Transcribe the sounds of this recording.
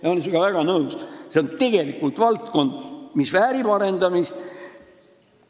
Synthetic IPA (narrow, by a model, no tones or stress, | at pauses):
jɑolesiɡ̥ɑvæɡ̥ɑnɤusse̞ont̪e̞ɡ̥e̞likːˑult̪vɑlt̪ko̞nd̪̥misvæːɾib̥ɑɾe̞nd̪ɑmist̪